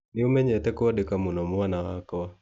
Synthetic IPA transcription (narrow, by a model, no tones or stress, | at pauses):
nɪumɛɲɛtɛkwadekamunɔmwanaɣakɔ